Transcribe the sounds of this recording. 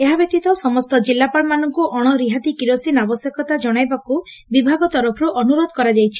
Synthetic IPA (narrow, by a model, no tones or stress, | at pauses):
eɦabek̚t̪it̪ɔsɔmɔst̪ɔd͡ʒilːapaɭmanɔŋkuʔɔɽ̃ɔɾiɦad̪ikiɾosinabɔsjekɔt̪ad͡ʒɔɽ̃ajbaku | bibʱaɡɔt̪ɔɾɔpʰɔɾuʔɔnuɾod̪ʱkɔɾad͡ʒajt͡ʃʰi̥